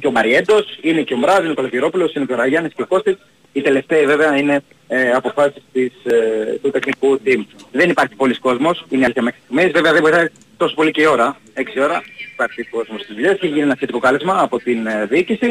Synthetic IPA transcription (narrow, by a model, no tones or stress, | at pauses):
ceomɐɾie̞nd̪o̞sineceombɾɐsineokolociɾo̞pulo̞sinecoɾɐʝɐnisceoko̞st̪is | it̪e̞le̞ft̪eive̞veɐine̞ | ɐpo̞fɐsi̥st̪ist̪ut̪e̞xnikut̪imðe̞nipɐɾçi̥po̞lisko̞zmo̞sineɐszjɐme̞xɾist̪iɣmizveveɐðebojθɐt̪ | t̪o̞sopo̞liceio̞ɾɐ | e̞ksio̞ɾɐipɐɾçiiko̞zmost̪izðuʎeseçiʝinienɐsçet̪iko̞kɐlezmɐːpo̞t̪inðiicisi